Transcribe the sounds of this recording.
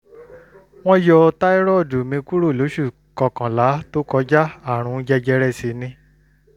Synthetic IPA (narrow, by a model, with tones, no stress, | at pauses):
w̃ɔ̃˦jɔ˧ta˦i˦ɾɔ˦˨du˨mĩ˧ku˦ɾo˦˨lo˨˦ʃu˦˨ | kɔ˨kã˨la˨˦to˦kɔ˧˦d͡ʒa˦a˦˨ɾ̃ũ˧˦d͡ʒɛ˧d͡ʒɛ˧˦ɾɛ˦˨si˨˦nĩ˧